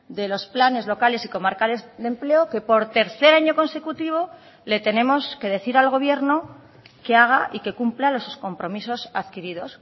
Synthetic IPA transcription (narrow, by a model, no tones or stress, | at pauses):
d̪e̞lo̞splane̞zlo̞kale̞siko̞maɾkaðezd̪e̞mple̞oke̞po̞ɾt̪e̞ɾθe̞ɾaɲo̞ko̞nse̞kut̪iβ̞o̞ | le̞t̪e̞ne̞mo̞ske̞ðe̞θiɾalɣo̞β̞je̞ɾno̞ | keaɣ̞aʔike̞kumplalo̞susko̞mpɾo̞miso̞saðkiɾiðo̞s